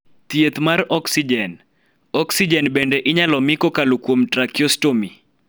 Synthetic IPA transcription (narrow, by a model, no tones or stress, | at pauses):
t̪jet̪maɾɔksid͡ʒɛn | ɔksid͡ʒɛnbendeʔɪɲalɔmɪkɔkalokwomtɾakiɔstomi